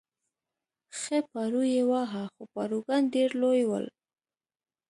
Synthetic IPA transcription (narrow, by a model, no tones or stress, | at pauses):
xepaɾujewaɦaxopaɾuɡanɖeɾlojwə̰l